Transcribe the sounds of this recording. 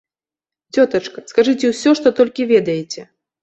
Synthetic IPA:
t͡sʲɔt̪ɐt͡ʂkɐskaʐɨt͡sʲɛwsʲɔʂt̪ɔt̪ɔlʲkʲivʲɛd̪ɐjɛt͡sʲɛ

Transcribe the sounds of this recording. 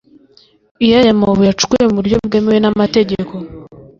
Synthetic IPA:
ijajamoβujat͡ʃu̥kujemuɾjo̞bɡe̞mewenamate̞ɟeko̞

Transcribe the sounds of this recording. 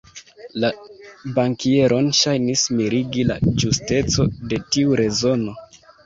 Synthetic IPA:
labaŋkie̞ɾʔo̞nʃajnismiɾiɡila̰d͡ʒuste̞t͡so̞de̞tiuɾe̞zo̞no̞

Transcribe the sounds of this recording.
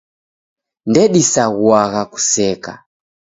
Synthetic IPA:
ndɛɗisaɣwaɣaku̥sɛka

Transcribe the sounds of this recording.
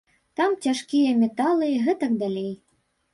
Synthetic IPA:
t̪amtʲaʂkʲijɐmʲɛt̪ɑlˠɨɣɛt̪ɐkd̪alʲej

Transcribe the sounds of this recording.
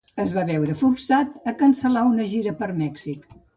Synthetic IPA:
əzβaβɛwɾəfuɾsat̪əkənsəlaunəʒiɾəpəɾmɛksik

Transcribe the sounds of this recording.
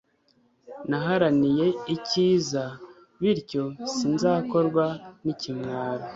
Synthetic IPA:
naɦaɾanije̞iciːza | βiɾco̞sinzaːko̞ɾɡwanicimwaːɾo

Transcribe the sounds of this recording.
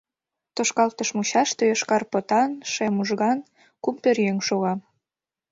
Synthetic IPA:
t̪oʃkɑlt̪əʃmuɕɑʃt̪øjeʃkɑrpot̪ɑnʃemuʒɣɑn | kumpørjøŋʃoɣɑm

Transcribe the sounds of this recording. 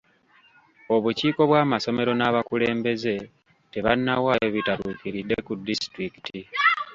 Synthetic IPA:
o̞βuciːko̞βwaːmaso̞me̞ɾo̞naːβakule̞ːmbe̞ze̞ | te̞βanːawajoβitaɾuːkiɾidːe̞kudːistɾiki̥ti

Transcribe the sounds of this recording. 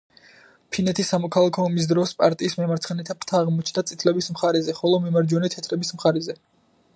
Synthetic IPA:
pʰinɛt̪ʰisːamɔkʰalˠakʰɔːmis̬d̪ɾɔspʼaɾt̪ʼiːsmɛmaɾt̪sʰχɛnɛt̪ʰapʰɾt̪ʰaːʁmɔt͡ʃʰnd̪at̪sʼit̪ʰlɛbismχaɾɛzɛχɔlˠɔmimaɾd͡ʒɔnɛt̪ʰɛt̪ʰɾɛbismχaɾɛzɛ

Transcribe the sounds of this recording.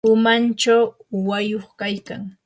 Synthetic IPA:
ʊmant͡ʃawːajoχkajkaŋ

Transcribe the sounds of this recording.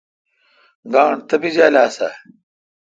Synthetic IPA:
ɡaːɳt̪ɐbizaːlaːsɐ̰

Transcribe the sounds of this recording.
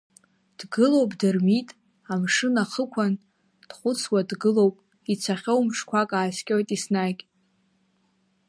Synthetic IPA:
d̥ɡɨlo̞wpʼdɨrmitʼ | amʂɨnaχəkʷʰan | d̥χʷʊt͡sʰwadɡɨlo̞wpʼ | it͡sʷʰaχʲowmʂkʷʰakʼaːskʲʼojtʼisnakʲʼ

